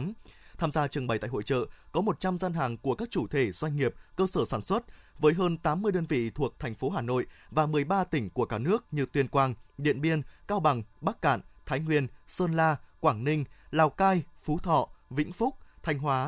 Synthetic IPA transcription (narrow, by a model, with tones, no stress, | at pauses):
mt̪ʰaː˧mzaː˧t͡ɕɨ˨˩əŋɓə˨˩jt̪a̰ː˧˨ho̰˧˨t͡ɕə̰ː˧˨kɔ˨˦mo˨˩t̚t͡ɕa˧mzaː˧nɦaː˨˩ŋku˧˩əkaː˦˥k̚t͡ɕu˧˩t̪ʰe˧˩z̥wa˧jŋ̟ŋi˨˩əp̚kəː˧səː˧˩saː˧˩nswə˦˥t̚vəː˨˦jɦəː˧nt̪aː˨˦mːɨ˧əjɗəː˧nvḭ˧˨t̪ʰu˨˩ək̚t̪ʰɛ˨˩ŋ̟fo˨˦ɦaː˨˩no̰˧˨jvaː˨˩mɨ˨˩əjɓaː˧t̪ï˧˩ŋ̟ku˧˩əkaː˧˩nɨ˦˥ək̚ɲɨ˨˧˩t̪wi˨˩ənkwaː˨˩ŋɗḭ˧˨ənɓi˧ənkaː˧wɓa˨˩ŋɓaː˦˥k̚ka̰ː˧˨nt̪ʰaː˨˦jŋwi˧˩ənsəː˧nlaː˧kwaː˧˩ŋnï˧ŋ̟laː˨˩wkaː˧jfu˨˦t̪ʰɔ̰˧˨vḭ̈˧˥ŋ̟fʊ˦˥k͡p̚t̪ʰa˨˧jŋ̟ɦwaː˨˦